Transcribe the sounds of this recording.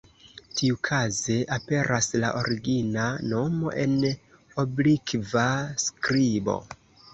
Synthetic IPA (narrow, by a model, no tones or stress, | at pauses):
tʰiukʰaze̞ʔape̞ɾʔasla̰ʔo̞̰ɾiɡinano̞mo̞̰ʔe̞n | oblikvaskɾibo̞̰